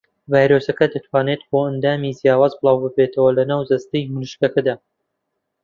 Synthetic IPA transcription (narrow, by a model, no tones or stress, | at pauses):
vaːjɾosɐkɐd̪ɐt̪ʰwaːnet̪̚boɐnd̪aːmiːzijaːwaːzbɨlˠaːwbɨbet̪ʰɐwɐlɐnaːwzɐst̪ɨjmulɨʃkɐkɐd̪aː